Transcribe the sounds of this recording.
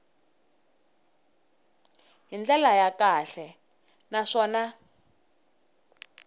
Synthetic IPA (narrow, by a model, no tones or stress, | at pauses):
ɦind͡ɮɛlajakaɬɛ | naʂɔːna